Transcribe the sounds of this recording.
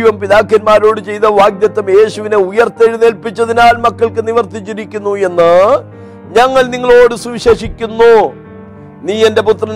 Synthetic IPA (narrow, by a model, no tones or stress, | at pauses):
ʋɐmpiðaːkːɐnmaːɾo̞ːɽɨt͡ɕe̞jt̪ɐʋaːɡnjɐt̪ːɐmje̞ːɕuʋineujɐrt̪ːeɻnelpit͡ɕːɐðinaːlmɐkːɐɭkɨniʋɐrt̪it͡ɕːiɾikʲːunːue̞nːɨ | ɲɐŋːɐɭniŋːɐɭo̞ːɽɨsuʋiɕeːʂikʲːunːu | niːe̞nde̞put̪rɐn